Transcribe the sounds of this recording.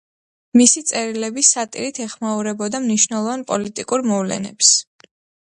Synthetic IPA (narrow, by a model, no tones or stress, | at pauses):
misit̪sʼɛɾilɛbisat̪ʼḭɾit̪ʰɛχmauɾɛbɔd̪amniʃnɛlˠɔvanpʼɔlit̪ʼikʼuɾmɔvlɛ̰nɛ̰ps